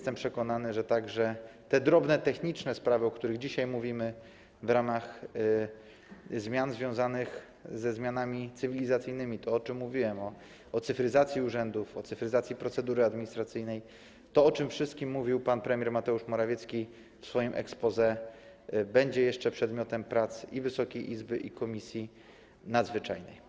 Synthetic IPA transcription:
jɛst̪ɛmpʂɛkɔnanɘʐɛt̪aɡʐɛt̪ɛd̪ɾɔbnɛt̪ɛxɲit͡ʂnɛspɾavɘɔkt̪uɾɘɣd͡ʑiɕajmuvʲimɘ | vɾamax | zmʲjanzvʲjɔ̃w̃zanɘx | zɛzmʲjanamʲit̪sɘvʲilʲizat̪sɘjnɘmʲit̪ɔɔt͡ʂɘmːuvʲiwɛmɔ | ɔt̪sɘfɾɘzat̪sʲjiuʐɛnd̪ufɔt̪sɘfɾɘzat̪sʲjipɾɔt̪sɛd̪uɾɘad̪mʲiɲist̪ɾat̪sɘjnɛj | t̪ɔɔt͡ʂɘmfʂɘst̪̚kʲimːuvʲiwpanpɾɛmʲjɛɾmat̪ɛuʂmɔɾavʲɛt̪skʲi | fsfɔjɔ̃w̃ʔɛ̰kspɔzɛ | bɛɲd͡ʑɛjɛʂt͡ʂɛpʂɛd̪mʲjɔt̪ɛmpɾat̪sivɘsɔkʲejʔizbɘʔikɔmʲisʲji | nad̪zvɘt͡ʂajnɛ̰j

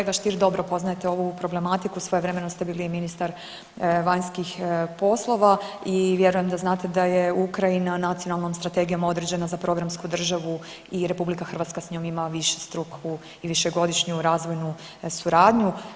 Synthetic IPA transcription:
eɡaʃt̪iɾd̪o̞bɾopo̞znaje̞t̪eo̞ʋupɾo̞ble̞mat̪ikusʋo̞jeʋɾe̞me̞nost̪ebiːliminist̪aɾ | ʋaɲskixpo̞slˠo̞ʋaiʋje̞ɾuje̞md̪aznaːt̪e̞d̪ajeukɾajinanat̪sijo̞nalˠno̞mst̪ɾat̪e̞ɡijo̞mo̞d̪ɾed͡ʑe̞nazapɾo̞ɡɾamskud̪r̩ʒaʋu | iɾe̞publikaxrʋaːt̪skasɲoːmimaʋiʃe̥st̪ɾukʰu | iʋiʃeɡo̞d̪iʃɲuɾaːzʋo̞jnu | suɾaːd̪ɲu

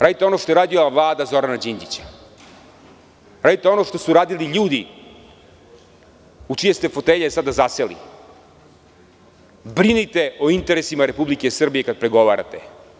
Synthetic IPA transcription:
ɾaːd̪it̪eo̞noʃt̪o̞jeɾaːd̪ioavlˠaːd̪azo̞ɾanad͡ʑind͡ʑit͡ɕḁ | ɾaːd̪it̪eo̞no̞ʃt̪o̞suɾaːd̪iliʎuːd̪i | ut͡ʃijest̪efo̞t̪eʎesad̪azaselḭ | bɾinit̪e̞o̞int̪eɾesimaɾe̞publike̞sr̩bije̞kad̪̚pɾeɡo̞ʋaːɾa̰t̪e

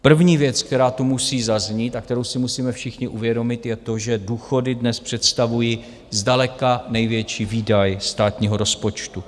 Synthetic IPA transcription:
pr̩vɲiːvjɛt͡skt̪ɛɾaːt̪umusiːzazɲiːt̪ak̚t̪ɛɾo̞wsɪmusiːmɛfʃɪxɲɪʔuvjɛdo̞mɪt̪jɛt̪o̞ʒɛduːxo̞dɪdnɛspr̝̥ɛt̪st̪avuji | zdalɛkanɛjvjɛt͡ʃiːviːdajst̪aːt̪ɲiːɦo̞ɾo̞spo̞t͡ʃt̪u

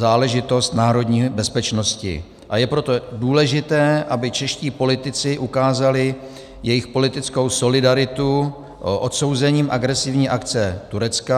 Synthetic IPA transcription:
zaːlɛʒɪt̪o̞st̪naːɾo̞dɲiːbɛspɛt͡ʃno̞scɪ̰ | ʔajɛpɾo̞t̪o̞duːlɛʒɪt̪ɛːʔabɪt͡ʃɛʃciːpo̞lɪt̪ɪt͡sɪʔukaːzalɪ | jɛjɪxpo̞lɪt̪ɪt͡sko̞wso̞lɪdaɾɪt̪u | ʔot̪so̞wzɛɲiːmʔaɡɾɛsɪvɲiːʔakt͡sɛt̪uɾɛt͡ska

